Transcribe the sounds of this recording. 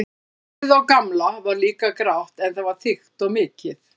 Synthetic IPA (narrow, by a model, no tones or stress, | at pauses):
ðawkamlavaɾliːkakɾawht̪ɛnθaðvaɾ̥θɪxt̪ɔɣmɪːcɪθ